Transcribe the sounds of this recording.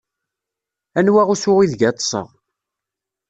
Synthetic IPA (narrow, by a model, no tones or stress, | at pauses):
ænwæʁusʊʁiðʝæt̪ːˤsˤə̰ʁ